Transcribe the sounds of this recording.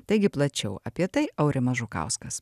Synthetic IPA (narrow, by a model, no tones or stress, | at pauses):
t̪ɐɪɡʲɪplˠɐt͡ʃʲɛʊʔɐpʲiɛt̪ɐɪɐʊɾʲɪmɐʒukɑ̰ˑʊskɐs